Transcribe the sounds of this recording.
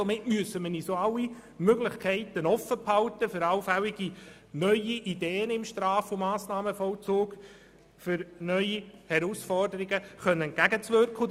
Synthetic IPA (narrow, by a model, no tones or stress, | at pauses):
omɪtmyəsəmənisoːɑlːi | møɡlɪχkʰɛɪt̪ənɔfːəphɑlt̪əfʏɾɑwfælɪɡ̥i | nœʏiʔideːənɪmʃtɾɑːfomɑːsnɑːməfɔlt͡soːk | fʏɾnœʏihɛɾusfɔrdəɾɪɡəχœnːənɡ̥æɡət͡sʋørkʰʊ